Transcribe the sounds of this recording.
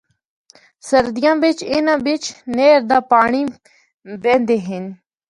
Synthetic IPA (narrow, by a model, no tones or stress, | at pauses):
səɾd̪ɪjãːʋɪt͡ʃɪnãːʋɪt͡ʃneːɾd̪aːpaːɳiː | bɛ̃ːnd̪eːɦɪn